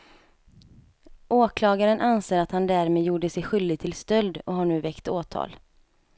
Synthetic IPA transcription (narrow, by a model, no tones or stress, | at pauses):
ʔoːkʰlɑːɡaɾənʔanseːɾat̪hand̪æɾmeːd̪juːɖəsɛjɧʏld̪ɪɡ̚t̪ʰɪlst̪œld̪ɔɦaɳʉ̟ːvɛkt̪oːt̪ʰɑ̰ːl